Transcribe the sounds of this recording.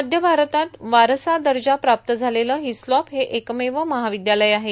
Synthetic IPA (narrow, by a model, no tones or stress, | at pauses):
əd̪ʱjəbʱaɾət̪at̪ʋaɾsad̪əɾd͡ʑapɾap̚t̪əd͡zʱaleləɦislɔpɦeʔekmeʋəməɦaʋid̪jaləjaɦe